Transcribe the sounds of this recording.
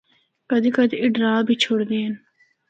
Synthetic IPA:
kɐd̪ikɐd̪iʔiɖɾaːbit͡ʃʰoɽd̪eːn

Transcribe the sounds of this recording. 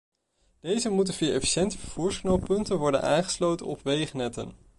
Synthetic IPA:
d̥ejzəmut̬ənviːəɹʔɛ̰fi̥ʃɛntəvəv̥uːɹsknɔwpɵntənʋɔɹdə̰na̰ːŋχə̥slowtə̰nɔpʋejχnɛtə̰n

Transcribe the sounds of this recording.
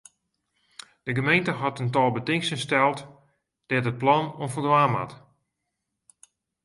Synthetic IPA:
d̥əɡəmejntəɦatəntɔːlˠbətɪŋsənstɛlˠt | d̥ɛtət̚plɑnonfərdʋaːma̰t

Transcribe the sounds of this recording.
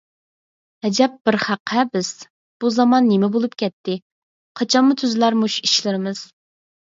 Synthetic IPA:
hɛd͡ʒɛp̚b̥ɪɾχæqʰːɛbɪz̥ | b̥uzɑmɑnːemɪbolˠup̚kʲɛt̪ʰːɪ | qʰɑt͡ʃʰɑnmut̪ʰyzlæɾmuʃi̥ʃlɪɾɪmɨz̥

